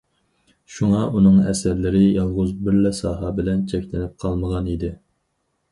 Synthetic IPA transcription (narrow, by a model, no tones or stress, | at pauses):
ʃuŋɑʔunɨŋɛ̰sæɾlɪɾɪjɑlˠʁʊzbɪɾlɛsɑːɦɑbɪlɛnt͡ʃʰɛkʲlɪnɪp̚qʰɑlˠməʁɑnid̪ɪ